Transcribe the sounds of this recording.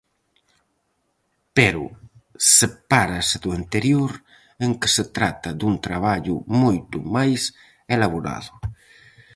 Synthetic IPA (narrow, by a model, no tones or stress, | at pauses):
peɾʊ̰sepaɾased̪uent̪eɾjoɾ | eŋke̥set̪ɾat̪ad̪unt̪ɾaβ̞aʎʊ̰mojt̪ṵmajs | elaβoɾa̰ðʊ